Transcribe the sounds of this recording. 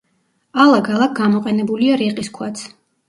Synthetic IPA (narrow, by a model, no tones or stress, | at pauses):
alˠaɡʰalˠak̚ʰɡamɔqʼɛnɛbuliaɾiqʼiskʰwat̪sʰ